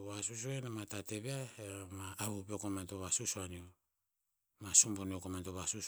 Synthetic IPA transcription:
βasus̬uenamatate̞βeaemaːβupiokomanto̞βasusuanio | masumboniokomantoβasus

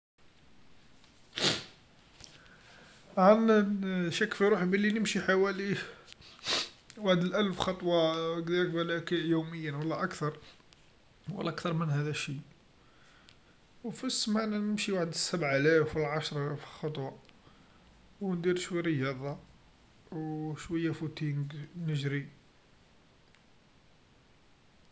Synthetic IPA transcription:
ʕanʃækːfiɾuħbəlːinəmʃiħawæli | waħəd̪əlʔælfxɑt̪ˤwɑkd̪iɾəkbælækiʔjuməjːənwəlːæʔækt̪ɑɾˤ | wə̰lːæʔkt̪ɑɾˤmənhæd̪æʃi | wfisːmaʕnnəmʃiwaħəd̪əsːæbʕʔælæfwəlʕɑʃɾˤfxɑt̪ˤwɑ | wnd̪iɾʃwijɾəjɑd̪ˤɑ | wʃwəjːæfut̪iŋɡnəʒɾi

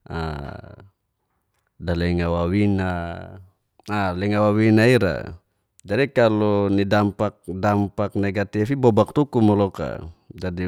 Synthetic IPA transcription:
a̰ | dalɛŋawawina | alɛŋawawinaiɾa̰ | d͡ʒadikalɔnidampak̚dampak̚nɛɡat̪ifibɔbak̚t̪ukumɔlɔka̰d͡ʒadi

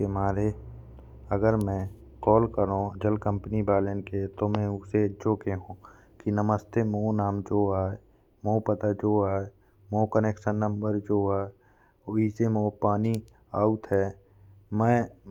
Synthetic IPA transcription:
emaːɾe | əɡəɾmɛ̃ | kɔːlkəɾõd͡ʒəlkə̃mpnibaːlenket̪omɛ̃ʊsed͡ʒoːkeɦũː | kinəməst̪emonaːmd͡ʒoːaːe | mopət̪ad͡ʒoːaːe | moːkəneːkʃənːə̃mbəɾd͡ʒoːaːe | oisemoːpaːni | aːut̪ɦɛː | mɛ̃ː

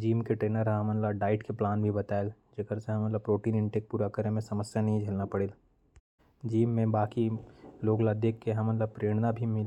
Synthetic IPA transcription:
d͡ʒiːmkeʈɾeːnəɾɦɦɐmənlaɖaːɪʈkeplaːnbʱibɐt̪aːeld͡ʒɐkəɾseɦɐmə̃nləbpɾoːʈiːnɪ̃ɳʈek̚puːɾakəɾẽmẽsɐməsjanɐɦĩd͡ʒʱɐlnapɐɽeːl | d͡ʒiːmːẽbaːkiloːɡlad̪eːkːeɦɐmə̃nləbpɾeːɽ̃nabʱimɪl

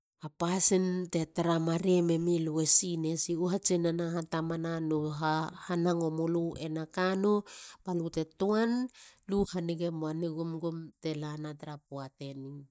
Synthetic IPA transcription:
apasinte̞taɾamaɾiememiluwesine̞siuɦat͡ʃinanaɦatamananoɦahanaŋo̞moluenakanopalute̞tuanluhaniɡemoaniɡumɡumte̞lanataɾapuate̞ni

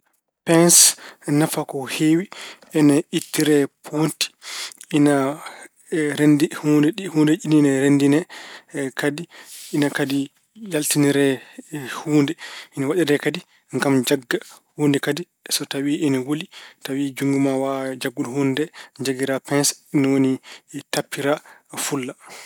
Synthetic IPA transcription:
pɛnsnafakɔhewi | ɛnɛitːiɾɛpʰonti̥ina | ɾendihuːndɛɗihundɛʔininɛɾendinɛ | kadiinakadi | jaltiniɾɛhuːndɛʔinawaɗɛdɛkadi | ŋɡamd͡ʒaɡːahundɛkadi | sɔtawiʔɛnɛwolitawid͡ʒuŋɡumawad͡ʒaɡːulhundɛd͡ʒaɡiɾapɛnsinawonitapːiɾafulːa

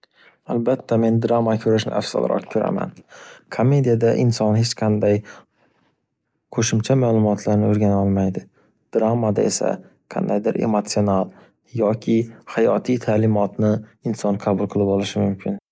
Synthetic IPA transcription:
albat̪ʰːame̞nd̪ɾamakʰɵɾɪʃnɪ̰ʔa̰fsa̰lˠɾɒ̰kkʰɵɾa̰ma̰nkʰomːe̞d̪ijad̪aʔɪnsɒnhet͡ʃqʰɑnd̪aj | qʰɵʃɪmt͡ʃʰamaːlˠʊmɒt̪ʰlaɾnɪoɾɡʲanɒlˠmajd̪ɪ | d̪̥ɾamːad̪a̰e̞sa̰ | qʰɑ̰nd̪ajd̪ɪɾʔe̞̰mot̪sional | jɒkʲʰɪhajɒt̪ʰijt̪ʰalɪmɒt̪nɪɪnsɒnqʰɑbʊlˠqʰɨlˠɪbɒlˠɪʃɪmʊmkʲʰɪn

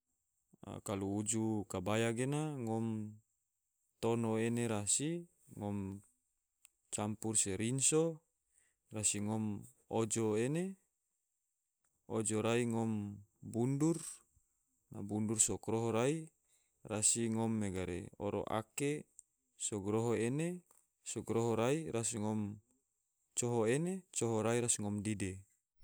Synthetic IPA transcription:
a̰kaluːd͡ʒukabajaɡenaŋɔm | t̪onoeneɾasi | ŋɔm | t͡ʃampurseɾinso | rasiŋɔm | od͡ʒoene | od͡ʒoɾaiŋɔmbundur | na̰bundursokɾoɦoɾai | rasiŋɔmːeɡaɾḛo̰ɾo̰ʔa̰ke | soɡɾoɦoene | soɡɾoɦoɾaiɾasiŋɔm | t͡ʃoɦoenet͡ʃoɦoɾaiɾasiŋɔmdide

